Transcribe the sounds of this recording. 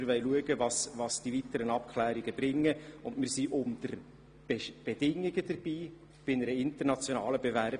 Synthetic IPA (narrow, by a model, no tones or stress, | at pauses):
ɾʋɛɪluəɡəvɑsvɑsd̥ivit̪əɾənɑp̚kχlæːɾiɡəb̥ɾɪŋːəʊndmɪɾsiʔʊnd̥̪əɾ | b̥ɛb̥ɛd̥ɪŋːiɡ̥əd̥̪əɾb̥iː | b̥ɪnəɾəɪntərnɑt͡sjonɑːləbevæɾ